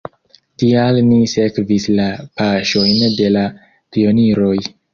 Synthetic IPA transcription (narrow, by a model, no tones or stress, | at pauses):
tialnise̞kvislapaʃo̞jnde̞la | pio̞niɾo̞j